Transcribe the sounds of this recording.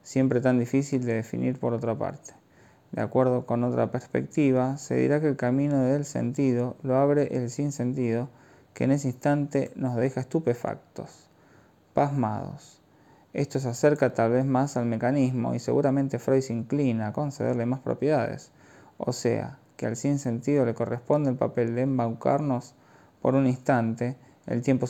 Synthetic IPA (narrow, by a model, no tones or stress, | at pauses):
sje̞mpɾe̞t̪and̪ifisild̪eðefḭniɾpo̞ɾot̪ɾapa̰ɾt̪e̥ | d̪ea̰kwe̞ɾð̞o̞ko̞no̞t̪ɾa̰peɾspḛk̚t̪iβ̞ase̞̰ðḭɾakeːlkamĩnoðelsḛnt̪iðo̞loaβ̞ɾeʔelsinse̞nt̪iðo̞ | keːnes̬einst̪ant̪e̞nozð̞e̞xaest̪upe̞fa̰k̚t̪os | pazma̰ð̞o̞̰s | e̞st̪os̬aseɾkat̪alβezmasalme̞kanizmo̞̰ise̞ɣuɾamẽ̞nt̪efɾojsiŋklinako̞nseðeɾle̞maspɾo̞̰pjeðaðḛs | o̰sḛa̰kea̰lsinse̞nt̪ið̞o̞le̞ko̞respo̞nd̪eːlpa̰pe̞ld̪eːmbawka̰ɾno̞s | po̞̰ɾuninst̪ant̪ḛː | lt̪je̞mpo